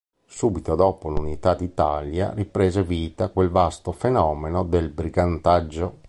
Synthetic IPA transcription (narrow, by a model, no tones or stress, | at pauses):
suːbit̪od̪ɔːpolunit̪ad̪it̪alja̰ripɾeːzeviːt̪akwelvast̪ofenɔːmenod̪elbɾiɡant̪ad͡ʒːo